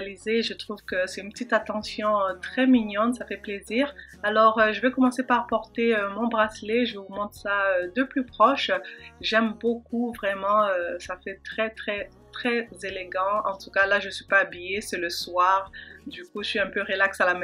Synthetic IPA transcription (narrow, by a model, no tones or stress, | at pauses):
lizeʒət̪χuvkəsɛt̪ynpət̪it̪at̪ɑ̃sjɔ̃t̪χɛmiɲɑ̃t̪safɛpleziːʁalɔʁøʒəvɛkɔmɑ̃sepaʁpɔʁt̪eømɔ̃bʁasleʒəvumɔ̃t̪saød̪əplypχɔʃʒɛmbok̚uvʁɛmɑ̃øsafɛt̪χɛt̪χɛ | t̪χɛzeleɡɑ̃ɑ̃t̪ukalaʒəsɥipaːbijesɛləswaʁd̪ykuʒəsɥiɛ̃pøʁəlaksalamɛ